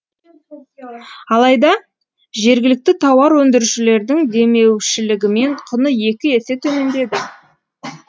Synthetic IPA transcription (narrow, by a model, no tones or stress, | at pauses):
ɑlˠɑjd̪ɑ | ʒe̞ɾɡʲɪlɪk̚t̪ɪt̪ʰɑwɑɾwɵnd̪ɪɾʃɪle̞ɾd̪ɪŋd̪e̞me̞wʃɪlɪɡʲɪme̞ɴqʰʊnəje̞kʲɪe̞set̪ʰɵme̞nd̪e̞d̪ɪ